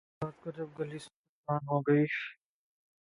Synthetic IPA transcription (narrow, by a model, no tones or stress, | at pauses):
aːt̪̚kɐɾd͡ʒɐb̚ɡɐlis | aːnɦoːɡɐiʃ